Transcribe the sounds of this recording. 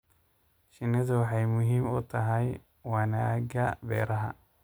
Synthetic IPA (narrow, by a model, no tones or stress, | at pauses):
ʃɪnɪðɐwɑħɑjmʊɦiːmʊt̪ʰɐɦɛj | wɐnaɡɐbɛ̰ːɾɐɦɐ̰